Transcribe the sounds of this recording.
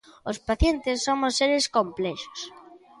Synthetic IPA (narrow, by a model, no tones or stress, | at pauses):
ospaθjent̪ɪsːomʊsːeɾɪskomplɛʃo̥s